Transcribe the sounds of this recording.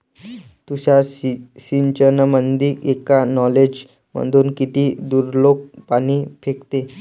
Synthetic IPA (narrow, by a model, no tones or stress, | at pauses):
t̪uɕasiɲt͡ɕənəmənd̪iːkekanɔled͡ʑ | mə̰nd̪uːnkit̪iːd̪uɾlok̚paɽ̃iːfekt̪e